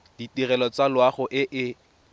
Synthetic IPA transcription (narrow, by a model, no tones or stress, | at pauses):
d̥itirɛlɔt͡salwaχʊʔɪʔɪ